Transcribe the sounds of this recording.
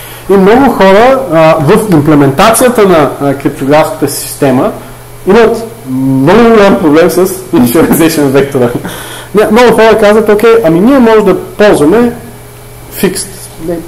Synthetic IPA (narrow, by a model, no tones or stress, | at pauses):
imnɔɡʊxɔɾəvəfimplɛmɛnt̪at̪sijət̪ənɐkɾip̚t̪oɡɾafskə̥t̪əsi̥st̪ɛmə | imət̪ | nɔɡʊɡʊlʲampɾoblɛmsəsinʒɛɾɛzɛʃɛnvɛk̚t̪oɾənɛmnɔɡʊxɔɾəkazvət̪okɛʔɐminiɛmɔʒɛd̪ɐpɔlˠzvɐmɛ | fikst̪ | nɛ